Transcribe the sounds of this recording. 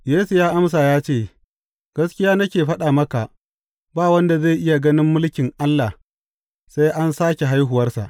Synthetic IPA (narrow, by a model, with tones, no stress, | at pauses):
jeː˦su˨jaː˦ʔa˦ms̬aː˨jaː˦t͡ʃeː˦˨ | ɡ̥ɐ˦skʲɪ˦jaː˦nɐ˦kʲeː˨ɸɐ˦ɗaː˨mɐ˦ka˨ʔ | baː˦wɐ˦nda˨ze˦˨jʔɪ˦ja˨ɡɐ˦nɪ˦mːʊ˦lkʲɪ˨ŋʔa˦lːa˨h | sa˦jʔa˦nsaː˦kʲe˨ɦa˦jɦʊ˨wɐ˦rsa̰˨ʔ